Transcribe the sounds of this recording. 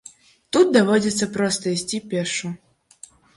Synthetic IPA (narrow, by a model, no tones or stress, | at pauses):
t̪ut̪̚d̪avɔd͡zʲɛt̪sːɐpɾɔst̪ɐisʲt͡sʲipʲɛrʂu